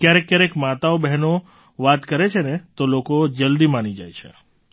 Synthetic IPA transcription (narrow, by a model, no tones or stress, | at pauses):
kjaɾekːjaɾekmat̪aobɛɦno | ʋat̪kəɾet͡ʃʰenet̪olokod͡ʒəld̪imanid͡ʒa̰jt͡ʃʰḛ